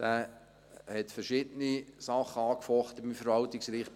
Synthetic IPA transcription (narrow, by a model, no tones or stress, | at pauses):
d̥æː | hɛtfəɾʃɪdənisɑχəɑːkfɔχt̪əɪmfəɾʋɑltɪksɾiːχ